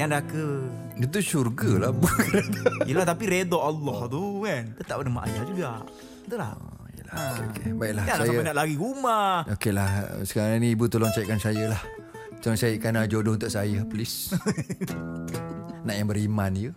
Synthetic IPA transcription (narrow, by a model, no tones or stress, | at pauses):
jaŋdakə | ət̪̬uʃurɡəlahbukəɾet̪aijəlaht̪apiɾedɔʔalːɔht̪ukant̪ət̪aʔpənəma̰ʔajad͡ʒuɡa | t̪ula̰h | ə̰laokebaiʔlaasajaəpanaʔlaɡiɡumahʔokelahsə̥kaɾaŋnĩibut̪olɔŋt͡ʃaiʔkansajəlah | t̪olɔŋsaiʔkanad͡ʒodount̪ʊʔsajəplis | naʔjaŋbəɾimanjə